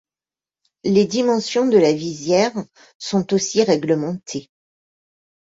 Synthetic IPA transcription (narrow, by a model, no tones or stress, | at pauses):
led̪imɑ̃sjɔ̃d̪əlavizjɛʁ | sɔ̃t̪osiʁɛɡləmɑ̃t̪ʰe